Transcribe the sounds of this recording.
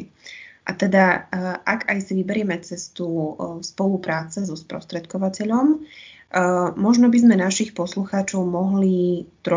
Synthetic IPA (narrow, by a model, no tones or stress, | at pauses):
ʔat̪ɛd̪aʔaɡajsiʋibɛɾɪɛmɛt͡sɛst̪uspɔlupɾaːt͡sɛzɔspɾɔ̰st̪ɾɛt̪kɔʋacɛʎɔm | mɔʒnɔbizmɛnaʃixpɔsluxaːt͡ʃɔʊmɔɦlit̪ɾɔ